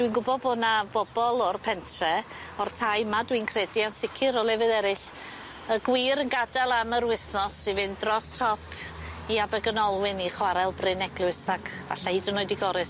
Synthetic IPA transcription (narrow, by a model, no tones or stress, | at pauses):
d̥winɡʊbɔðbonabɔbɔlˠɔrpʰɛntʰrɛ | ɔrtʰajmadwinkʰrɛdiansɪkʰɪɾɔlˠɛvɨðɛɾɪɬ | əɡwiːɾənɡadɛlˠamərwɪθnɔsivɨndrɔstʰɔpʰ | iabɛɡənɔlˠwɪniχwaɾɛlˠbrɪnɛɡlˠʊɨsakʰ | a̰ɬaɨdənoːɨdiɡɔɾɨs